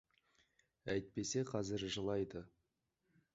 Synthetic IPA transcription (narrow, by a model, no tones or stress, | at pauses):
æjt̪̚pe̞se̞qʰɑzɪɾʒəlˠɑjd̪ə